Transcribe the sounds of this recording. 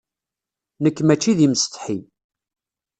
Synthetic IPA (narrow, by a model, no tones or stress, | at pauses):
nəkːmæt͡ʃːiðiməst̪ˤħi